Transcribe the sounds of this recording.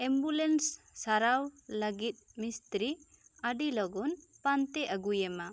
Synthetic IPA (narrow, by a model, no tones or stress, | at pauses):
ɛmbulɛnsː | aɾawlaɡit̪̚mist̪ɾi | aɖilɔɡɔnpant̪ɛʔaɡujɛma